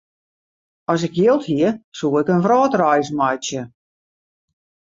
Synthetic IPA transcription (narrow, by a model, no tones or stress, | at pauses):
ɔs̬ɪkjɪlˠthiəsuːɪkənfrɔːtrɔjsmajsjə